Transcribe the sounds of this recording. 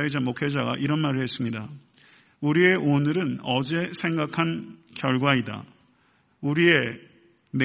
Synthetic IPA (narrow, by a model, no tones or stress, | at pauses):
id͡ʑamokʰed͡ʑaɡa̰ʔiɾʌnmaɾɯɭhe̞s͈ɯmɲida | uɾie̞ʔonɯɾɯnʌd͡ʑe̞sʰe̞ŋɡakʰan | kjʌɭɡwaida̰ | uɾie̞ | me